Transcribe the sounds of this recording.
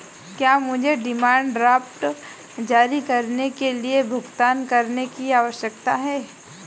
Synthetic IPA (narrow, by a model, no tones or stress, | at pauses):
kjaːmʊd͡ʒʱeɖɪmaːɳɖɾaːpʈ | d͡ʒaːɾikɐɾnekeliebʱʊɡt̪aːnkɐɾnekiaːʋəʃjəkt̪aɦɛː